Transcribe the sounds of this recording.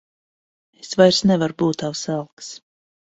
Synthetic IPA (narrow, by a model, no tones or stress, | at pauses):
esvajɾsnɛvaɾbuːt̪ːawsalˠks